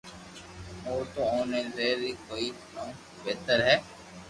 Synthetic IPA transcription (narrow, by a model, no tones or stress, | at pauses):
oːɾt̪oːõːnẽːzeːɾiːkoːi | nã | beːt̪əɾɦɛː